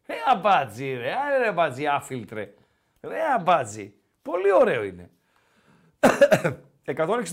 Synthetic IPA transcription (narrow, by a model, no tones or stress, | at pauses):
ɾeɐbɐd͡ziɾeɐɾebɐt͡siɐfilt̪ɾe | ɾeɐbɐd͡zḭ | po̞lio̞ɾe̞oine̞̰ | ekɐt̪oneks